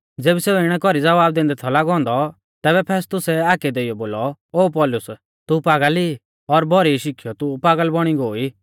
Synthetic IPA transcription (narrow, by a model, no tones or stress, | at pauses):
d͡zeːbiseːuɪɽ̃ɛkɔɾid͡zɐʋaːb̚d̪ẽnd̪ɛt̪ʰɔlaːɡɔ̃ːnd̪ɔ | t̪ɛːbɛpʰɛːst̪ʊsɛaːkɛd̪eːijɔboːlɔoːpɔlʊs | t̪upaːɡəli | ɔɾbɔɾiʃɪkʰijɔt̪upaːɡəlbɔɽ̃iɡoːiː